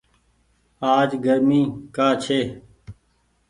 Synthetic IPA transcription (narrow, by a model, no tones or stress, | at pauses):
aːd͡ʒɡəɾmĩːkaːt͡ʃʰeː